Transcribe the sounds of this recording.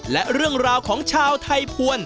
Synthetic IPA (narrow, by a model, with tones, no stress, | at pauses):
lɛ˦˥ʔɾɯ˥˩əŋɾaː˧wkʰɔː˩˦ŋt͡ɕʰaː˧wt̪ʰa˧jpʰu˧ən